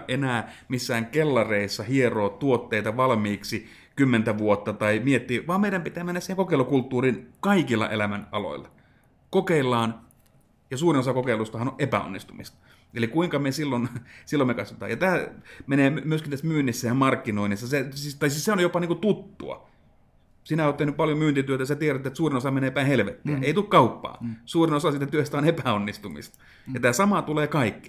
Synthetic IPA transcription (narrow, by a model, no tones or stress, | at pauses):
ʔenæːmisːæːŋkelːɑreisːɑhieroːt̪uot̪ːeit̪ɑʋɑlmiːksi | kymːent̪æʋuot̪ːɑt̪ɑimiet̪ːiːʋɑːmeiɾæmpit̪æːmenːæsiheŋkokeˑilːˑukult̪ːuːrinkɑikilːɑ̰ʔelæmænɑlo̰ilːɑ | kokeilːˑɑːn | jɑsuːrinosɑkokeilust̪ɑhɑnoʔʔepæ̰o̰nːist̪umist̪ɑ̥ | elikuiŋkɑmesilːonsilːomekɑsʋɑt̪ɑ̰ːjɑt̪æːmeneːmmyøskint̪æsmyːnːisːæjɑmɑrkːinoinisːɑsesist̪ɑisisseonjopɑniːkut̪ut̪ːṵɑ̰ | sinæoːt̪ehnypɑljomyːnt̪it̪yøt̪æjsæt̪ieɾæt̪ːet̪suːrinosɑmeneːpæinhelʋet̪ːḭːeit̪ukkɑupːɑ̰ːsuːrinosɑsiːt̪æt̪yøst̪æonepæonːist̪umḭst̪ɑ̥ | jɑt̪æːsɑmɑt̪uleːkɑikːi̥